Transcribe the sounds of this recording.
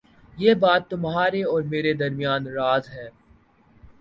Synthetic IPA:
jeːbaːt̪ːʊmɦaːɾeɔːɾmeːɾed̪ɐɾmijaːnɾaːzɦɛː

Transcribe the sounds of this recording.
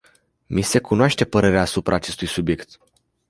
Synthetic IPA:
mise̞kunoaʃt̪e̞pəɾe̞ɾeaːsupɾʔaːt͡ʃe̞st̪ujsubje̞kt̪

